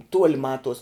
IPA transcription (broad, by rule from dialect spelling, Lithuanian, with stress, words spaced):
ˈtuɔlʲɪ ˈmɑːtuɔs